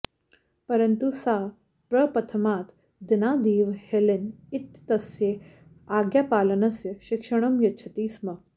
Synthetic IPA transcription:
pəɾənt̪usa | pɾəpɐt̪ʰəmaːt̪ | d̪inad̪iːʋhelenit̪ːɐsje | aɡjapaːlənɐsjəɕikʂəɳ̃ɐmjɐtːt͡ʃʰɐt̪iːsmɐ

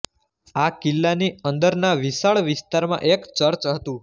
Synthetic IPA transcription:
akilːaniənd̪əɾnaʋisaɭʋɪst̪aɾmã̰ʔekt͡ʃəɾt͡ʃɦət̪ũ

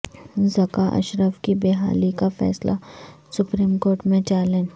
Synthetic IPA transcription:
zɐkaʔɐ̰ʃɾəfkibeːɦa̰ːlikafɛ̰ːsla̰ | sʊpɾiːmkoːɾʈmẽt͡ʃaːlẽn

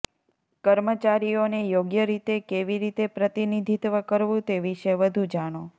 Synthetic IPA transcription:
kəɾmət͡ʃaɾijonejoɡjəɾit̪ekeʋiɾit̪epɾət̪inid̪ʱit̪ʋəkəɾʋũt̪eʋiʃəʋəd̪ʱũd͡ʒaɽ̃o

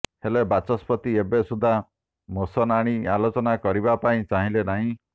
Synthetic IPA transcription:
helebat͡ʃɔspɔt̪iebesud̪ʱa | mosɔnaɽ̃ialot͡ʃɔnakɔɾibapaĩt͡ʃaɦĩlenaɦĩ

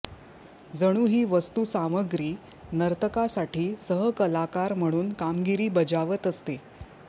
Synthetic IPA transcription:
d͡zəɽ̃uːɦiːʋəst̪uːsaməɡɾiː | nəɾt̪əkasaʈiːsəɦəkəlakaɾm̤əɽ̃uːnkamɡiɾiːbəd͡ʑaʋət̪əst̪e

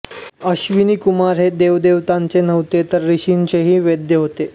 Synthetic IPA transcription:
əɕʋiniːkumaɾɦed̪eʋd̪eʋt̪aɲt͡senəʋt̪et̪əɾːiɕint͡ɕeɦiːʋed̪jəɦot̪e

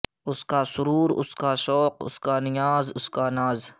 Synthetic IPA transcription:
ʊskaːsʊɾuːɾʊ̰skaːʃɔːqʊ̰skaːnɪjaːzʊskaːnaːz

